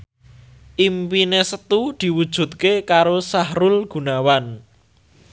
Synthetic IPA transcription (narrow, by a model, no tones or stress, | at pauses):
ʔimpinesət̪ud̪̥i̤wud̥ʒ̥ṳt̪̚kekaɾosahɾʊlɡ̥ṳnawan